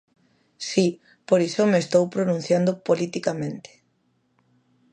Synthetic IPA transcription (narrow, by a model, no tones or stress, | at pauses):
si | poɾisomeːst̪owpɾonũn̟θjand̪opolit̪ikamẽnt̪e̥